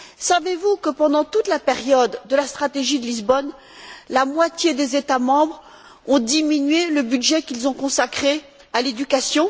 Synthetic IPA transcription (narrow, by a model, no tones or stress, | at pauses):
savevukəpɑ̃d̪ɑ̃t̪ut̪lapeʁjɔd̪ːəlast̪χat̪eʒid̪əlizbɔn | lamwat̪jed̪ezet̪amɑ̃bʁ | ɔ̃d̪iminɥeləbyd̪ʒɛkʲilzɔ̃kɔ̃sakχe | aled̪ykasjɔ̃